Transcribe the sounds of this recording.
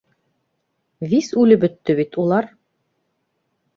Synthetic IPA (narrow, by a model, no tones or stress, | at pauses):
visʉlɘbɵ̆t̪ːɘβit̪ulˠɑɾ